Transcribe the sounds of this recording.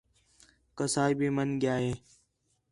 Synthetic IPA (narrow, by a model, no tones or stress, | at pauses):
kəsaːibiːmənɡjaːɦeː